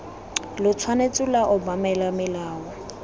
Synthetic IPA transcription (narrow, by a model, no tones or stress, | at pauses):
lʊt͡sʰwanet͡sʼʊlaʔɔbamɛlamɪlaːwɔ